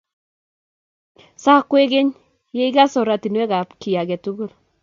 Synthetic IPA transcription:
sa˦kːwe˦ɡe˦ɲ | je˦i˦ɡa˦sɔ˨ɾa˨ti˨nwɛ˦ɡa˨pki˨ja˨ɡɛ˨tu˦ɡu˦l

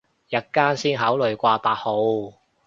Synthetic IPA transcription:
jɐ˧˥t̚kaː˥nsiː˥nɦaː˨˥wlɵ˨˧ɥkʷaː˧paː˧t̚ho˨˧w

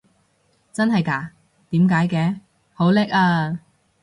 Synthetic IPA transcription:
t͡sɐ˥nɦɐ˨jkaː˨˩ | t̪iː˨˥mkaː˨˥jkɛː˧ | ho˨˥wlɛ˥k̚aː˧

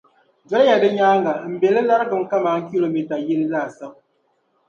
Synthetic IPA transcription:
d͡ʒɛ˦lja˨dɨ˦ɲaː˦ŋɡa˨m̩˨bɛ˨lɨ˦la˦ɾɨ˦ɡɨ˨ŋ̩˦ka˦maː˨˦ŋ̩˦ki˦lo˨mi˨ta˨jɛ˦lɨ˦zaː˦˨sɨ˦ʔ

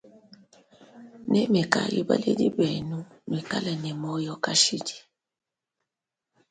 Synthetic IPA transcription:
nɛ˦mɛ˨ka̰˨jḭ˦ba̰˦lɛ˦di˦bɛ˨nu˦ | mwi˨ka˦lɛ˨nɛ˨mɔ˦jɔ˦ka˦ʃi˦di̥˨

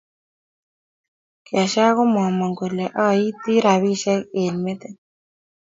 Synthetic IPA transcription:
kɪ˨a˨ʃa˦kɔ˦mɔ˨mɔ˨ŋɡo˨lɛ˨ʔɔ˦ji˦t̪i˦ɾa˨wi˦ʃɛ˦ke˨nme˦t̪e˦

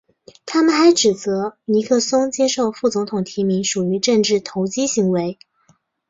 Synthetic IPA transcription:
t̪ʰa˥mə˨nxa˧˥ɪʈ͡ʂɻ̩˨˩t͡sɤ˧˥ni˧˥kʰɤ˥˩sʊ˥ŋt͡ɕjɛ˥ʂo˥˩˧ʊfu˥˩t͡sʊ˧˥ŋt̪ʰʊ˨˩ŋt̪ʰi˧˥mi˧˥ŋʂu˨˩y˧˥ʈ͡ʂə˥˧ŋʈ͡ʂɻ̩˥˩t̪ʰo˧˥ʊt͡ɕi˥ɕi˧˥ŋwe˧˥ɪ

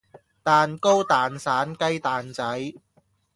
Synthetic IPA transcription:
t̪aː˨nko˥wt̪aː˨nsaː˨˥nkɐ˥jt̪aː˨nt͡sɐ˨˥j

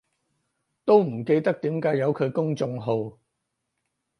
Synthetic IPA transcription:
t̪o˥wm̩˨˩ke˧jt̪ɐ˥k̚t̪iː˨˥mkaː˨˥jɐ˨˧wkʰɵ˨˧ɥkʊ˥ŋt͡sʊ˧ŋɦo˨˧w

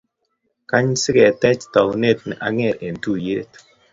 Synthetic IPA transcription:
ka˦ɲ˦si˦ɣɛ˨tɛ˦t͡ʃtɔ˨kne˦˨t̚n˨ʔa̰˨ŋe˦˨ɾe˨n̩˨tu˦˨je˦t

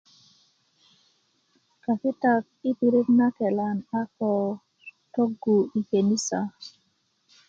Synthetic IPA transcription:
ka˨kɪ˦ta˦k̚i˦tu˨ɾu˦kna˦kɛ˨la˨na˦kɔ˨ | to˦ɡu˨i˨ke˨ni˦sa˨

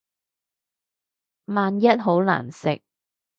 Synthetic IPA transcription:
maː˨njɐ˥t̚ɦo˨˥wla̰ː˨˩nsɪ̰˨k̚

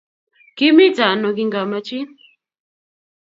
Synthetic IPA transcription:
ki˦mi˦t͡sa˨nɔ˨k̬i˨˦ŋɡa˨ma˨t͡ʃi˦

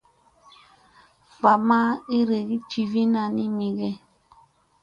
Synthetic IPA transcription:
va˨ma˦i˦ɾe˨ɣi˦t͡ʃi˨vi˦na˨ni˦mi˨ɣɛ˦

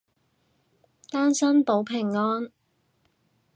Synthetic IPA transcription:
t̪aː˥nsɐ˥npo˨˥wpʰɪ˨˩ŋːɔː˥n

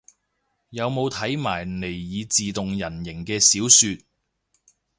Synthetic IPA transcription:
jɐ˨˧wmo˨˧wt̪ʰɐ˨˥jmaː˨˩jne˨˩jːiː˨˧t͡siː˨t̪ʊ˨ŋjɐ˨˩njɪ˨˩ŋkɛː˧siː˨˥wsyː˧t̪̚

